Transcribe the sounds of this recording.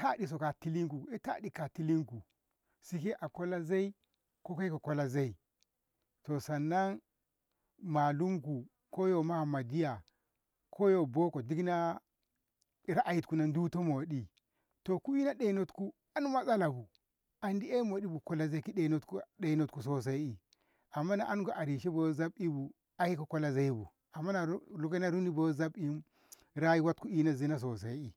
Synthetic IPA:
ta˦ɗi˨s̬o˨ka˨ti˦li˦ŋku˨e˦ta̰˦di˨ka˨ti˦li˦ŋku˨ | si˦ki˦ʔa˨ko˦la˦za˦i˦ | ko˦ka˦ko˨ko˦la˦za˦i˨ | to˨sa˨nːa˦n | ma˨lu˦mku˨ | ko˦jo˨ma˦˨ma˨di˦ja˨ | kʰo˦jo˨bo˦ko˨di˦kna˦˨ | ɾa˦ʔa˨ji˨tku˨na˨ndu˦to˦mo˨ɗi˨ | to˨ku˦i˦na˦ɗe˨˦no˦tku˦ | a˦n˦ma˦sa˦la˨bu˨ | a˨ndi˦e˦mo˨di˦bu˨ko˨la˦za˦ki˦ɗe˨˦no˦tku˦ɗe˨˦no˦tku˨so˦s̬a˦i˨ | a˨mːa˦na̰˨ʔa˦nɡo˨ʔa˨ɾi˨ʃi˦bo˨˦za˦bi˦bu˨ | a˨ji˦ku˨ko˦la˦za˦i˦bṵ˨ | a˨mːa˦na˨˦lu˨˦ke˦na˦ɾu˦ni˦bo˨˦za˦bi˦m˦ | ɾa˦ji˦wa˦tku˦i˦na˦˨zi˦na˦s̬o˨s̬a˨i˦i˨

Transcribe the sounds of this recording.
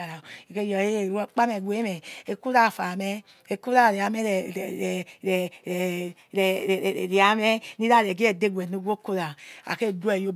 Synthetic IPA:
a˨ɾa˨i˨ke˦˨jɔ˨e˦e˨ɾk͡pa˦me˨ɡʷe˨˦mɛ˨e˨˦ku˦ɾa˦˨fa˨mɛ˦ | e˨ku˦ɾa˦˨ɾe˨a˨˦mɛ˦ɾɾɛ˨ | ɾɾi˨a˨˦mɛ˦ni˦ɾa˦ɾɛ˨ɡi˦e˨de˦ɡʷɛ˨no˦ɡʷo˦ko˦ɾa˨a̰˨ke˦˨dɛ˦˨jo˦

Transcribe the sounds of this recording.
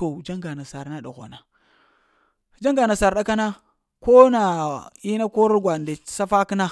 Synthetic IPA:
o˨d͡ʒa˦ŋɡa˨na˨sa˨ɾna˦ɗa̰˨ɣʷa̰˨na˨ | d͡ʒa˦ŋɡa˨na˨sa˨ɾɗa˦ka˦na˦ | ko˦na˨i˦na˦ko˦ɾɡʷa˨nda˨˦sa˦fa˦kna˦

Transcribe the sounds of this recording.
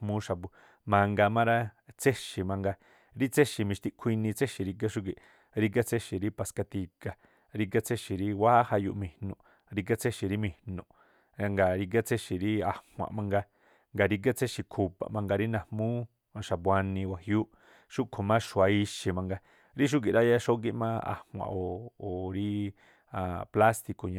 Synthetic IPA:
mũ˦ʃa˨bu˧ | mã˧ŋɡa˧mã˦ɾa˦t͡se˦ʃi˨mã˧ŋɡa˧ | ɾi˦t͡se˦ʃi˨mĩ˧ʃt̪i˧kʷʰi˧nĩ˧t͡se˦ʃi˨ɾi˧ɡ̬a˦ʃu˦k̬i˨ʔ | ɾi˧ka˦t͡se˦ʃi˨ɾi˦pa˧˨ska˧t̪i˧ka˨ | ɾi˧ɡa˦t͡se˦ʃi˨ɾi˦wa˦ha˧jṵ˧ʔmĩ˧˨hnũ˨ | ɾi˧k̬a˦t͡se˦ʃi˨ɾi˦mĩ˧˨nũ˧˨ | a˧ŋɡa˨ɾi˧ɡa˦t͡sʰe˦ʃi˨ɾi˦a˨hʷã̰˨mã˧ŋɡa˧ | ŋɡa˨ɾi˧ɡ̬a˦t͡sʰe˦ʃi˨kʰu˧˨pa̰˨mã˧ŋɡa˧ɾi˦nã˨hmũː˦ | a˧ʃa˨pwa˧nĩ˧wa˨hjuː˦ʔ | ʃu˦kʰo˨mã˦ʃu˨a˧i˧ʃi˨mã˧ŋɡa˧ | ɾi˦ʃ̬u˦k̬i˨ɾa˦ja˦ʃo˦ɡi˦ʔmã̰ː˦a̰˨hwã̰˨ʔoː˨ɾi˦ | a˨pla˦st̪i˧ko˨ɲã˧

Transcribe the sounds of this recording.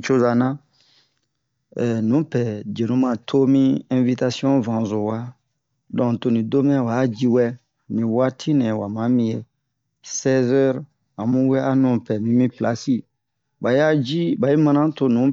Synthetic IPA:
t͡ʃo˦za˨nã˦ | ɛ˨nũ˨˦pɛ˨d͡ʒe˨nũ˨˦mã˨tʰo˦mĩ˦ɛ̃˨vi˦ta˧si˦ɔ̃˦vã˨zo˨wa˦ | dɔ̃˨to˨nĩ˨do˦mɛ̃˦ɛ˦wa˨˦d͡ʒi˦wɛ˦ | nĩ˨wa˦tʰi˦nɛ̃˨wa˨mã˨˦mĩ˨˦je˨ | sɛ˦zɛ˦ɾ | a˨mũ˦wɛ˦a˦nũ˨pɛ˨mĩ˦mĩ˦pla˨si˦ | ba˨ja˦d͡ʒi˦ba˨ji˦mã˧nã˦to˧nũ˨˦

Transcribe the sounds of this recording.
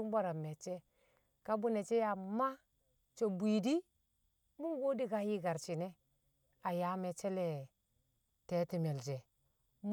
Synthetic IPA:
u˦mba˦ɾa˨me˨t͡ʃe˦ | ka˦bu˦ne˨t͡ʃe˦ja˨ma˦ | t͡ʃo˨bi˨di˦ | mu˦ɡo˦di˦ka˦ji˦ɡa˨ɾt͡ʃi˨ne˦ | a˨ja˦me˨t͡ʃe˦le˨ | te˨˦ti˨me˨ld͡ʒe˨ | m

